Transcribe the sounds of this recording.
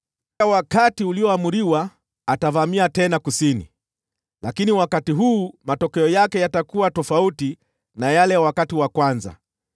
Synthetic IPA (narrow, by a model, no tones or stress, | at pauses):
awakatiuliɔamuɾiwaː | tavamiatɛnakusinḭ | lakiniwakatiɦuːmatɔkɛɔjakɛjatakuwatɔfauti | najalɛwakatiwakwanza̰